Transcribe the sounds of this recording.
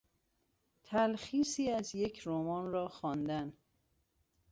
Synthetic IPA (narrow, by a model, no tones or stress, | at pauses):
t̪ʰælxiːsiːæzje̞cʰɾomɒːnɾɒːxɒːnd̪æn